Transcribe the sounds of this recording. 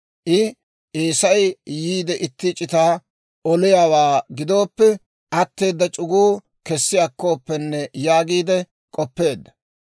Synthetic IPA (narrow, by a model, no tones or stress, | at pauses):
ʔɪ | ʔeːsɐjjiːd̪ɛʔɪt̪ːɪt͡ʃʼɪt̪aː | ɔlɪjaːwaːɡɪd̪o̞ːpːɛ | ʔɐt̪ːe̞ːd̪ːɐt͡ʃʼʊɡuː | kɛsːɪjɐkːo̞ːpːɛnːɛjaːɡiːd̪ɛ | kʼɔpːe̞ːd̪ːɐ̥